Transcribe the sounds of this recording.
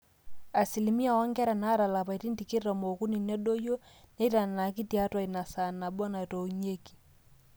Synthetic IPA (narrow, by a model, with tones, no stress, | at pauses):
a˨si˨li˨mi˦a˨wa˦ŋɡɛ˦ɾɛ˨na˦ɾa˨la˨pa˨i˨ɾi˦ndi˨ki˦ɾɔ˨mo˨ku˦ni˨nɛ˦ɗo˦jo˦ | ne˦ɾa˨na˨ki˦ti˨a˦twa˨i˨na˨sa˨na˨bɔ˦na˨to˨uɲe˦ki̥˨